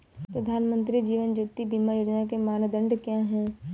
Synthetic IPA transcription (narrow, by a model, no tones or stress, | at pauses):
pɾəd̪ʱaːnmə̃nt̪ɾid͡ʒiːʋənd͡ʒoːt̪ːibʱimajoːd͡ʒnakemaːnd̪ə̃ɳɖkjãɦɛ̃ː